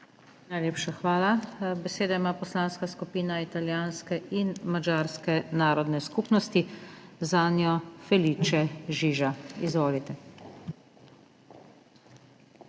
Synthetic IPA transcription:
najleːpʃaxʋaːlabɛseːd̪aimaːpɔslaːnskaskupiːnait̪aljaːnskɛʔinmad͡ʒaːɾskɛnaːɾɔd̪nɛskupnɔst̪izaːnjɔfɛliːt͡ʃɛʒiːʒaizʋoːlit̪ɛ

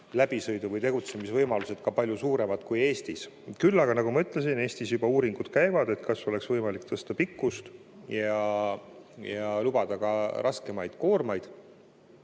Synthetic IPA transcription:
læb̥isɤjd̪uvɤjt̪e̞ɡ̥ut̪se̞misvɤjmɑluse̞d̪̥kɑpɑlʲjusuːɾe̞mɑd̪̥kuje̞ːst̪is | kylːɑɡ̥ɑnɑɡ̥umɑyt̪ːˑle̞s̬ine̞ːst̪isjubɑuːɾiŋɡ̥ud̪̥kæjvɑd̪e̞t̪kɑso̞le̞ksvɤjmɑlikt̪ɤst̪ɑpikˑːust̪ | jɑ | jɑlub̥ɑd̪̥ɑkɑɾʔɑske̞mɑjd̪̥ko̞ːrmɑjd̪̥

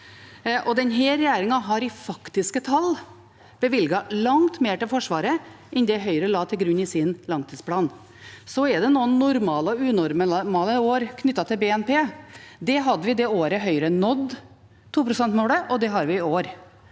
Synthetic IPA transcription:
ʔɔd̪ɛnɦɛːɾɛjeːɾɪŋɑɦɑɾɪfɑkt̪ɪskət̪ʰɑl | b̥əʋɪlɡɑlɑŋt̪meːʈɪlfɔʂʋɑːɾəʔɛnd̪ɛɦœʏɾəlɑːt̪ʰɪlɡɾʉɲːɪsɪnlɑŋt̪ʰiːspʰlɑːn | sɔɛd̪ɛnuːənːʊɾmɑːlɔʉːnɔɾməmɑːləoːɾkʰnʏt̪ːɑt̪ʰɪlbeːɛnpeːd̪ɛɦɑd̪ːəʋɪd̪ɛoːɾəɦœʏɾənɔd̪ | t̪ʰːuːpɾʊsɛnt̪moːɽəʔɔd̪ɛɦɑɾʋɪɪoːɾ

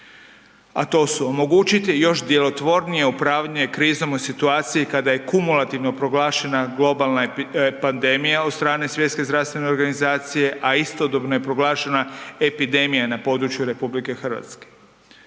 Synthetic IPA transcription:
a̰t̪o̞ːsuomo̞ɡuːt͡ʃit̪ijo̞ʃd̪je̞lo̞t̪ʋo̞ɾnije̞upɾaːʋʎeekɾiːzo̞mosit̪uaːt̪sijikad̪aje̞kumulˠat̪iʋno̞pɾo̞ɡlaːʃe̞naɡlo̞balnapand̪e̞mijao̞t̪st̪ɾaːne̞sʋje̞t̪ske̞zd̪ɾaʋst̪ʋe̞ne̞oɾɡanizaːt̪sije̞ʔaist̪o̞d̪o̞bno̞je̞pɾo̞ɡlˠaːʃe̞nae̞pid̪emijanapo̞ːd̪ɾut͡ʃjuɾe̞publike̞xrʋa̰t̪ske̥

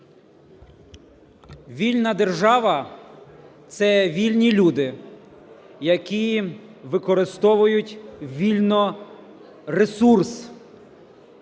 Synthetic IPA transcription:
ʋʲilʲnɐd̪erʒɑʋɐ | t̪sɛʋʲilʲnʲilʲud̪ɪ | jɐkʲiʋɪkɔɾɪst̪ɔʋʊjʊtʲʋʲilʲnɔ | resurs

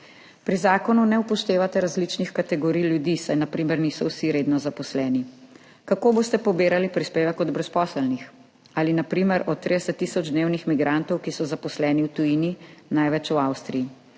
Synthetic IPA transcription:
pɾizaːkɔnunɛupɔʃt̪eːʋat̪ɛɾazlit͡ʃnixkat̪ɛɡɔɾijljud̪isajnapɾiːmɛɾniːsɔwsiɾeːd̪nɔzapɔslɛːni | kakoːbost̪ɛpɔbeːɾalipɾispeːʋɛkɔd̪bɾɛspɔːsəlnix | alinapɾiːmɛɾɔt̪ːɾid̪ɛsɛt̪ːisɔd͡ʒd̪newnixmiɡɾant̪ɔwkisɔzapɔslɛːniwt̪ujininajʋɛt͡ʃuawst̪ɾiji

